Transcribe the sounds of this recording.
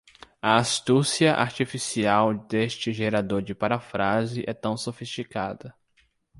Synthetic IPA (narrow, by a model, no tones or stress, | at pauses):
ɐast̪usiɐʔa̰ɾt͡ʃifisiawd̪est͡ʃɪʒeɾad̪oɾd͡ʒɪpaɾafɾazɪʔɛt̪ɐ̃w̃sofist͡ʃikad̪ɐ